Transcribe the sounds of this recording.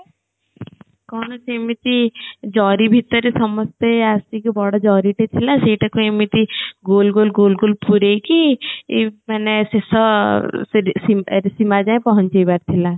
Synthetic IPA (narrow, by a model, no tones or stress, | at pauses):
kɔːnɐsemit̪id͡ʒɔːɾibʱit̪ːəɾisɐməst̪eaːst̪ikibɔɽad͡ʒɔːɾiʈet̪ʰilaseːʈɐkemit̪iɡoːlɡoːlɡoːlɡoːlpuɾeki | mɛnesesɔssiɾsimad͡ʒaːẽpɔɦə̃nt͡ʃebaɾt̪ʰila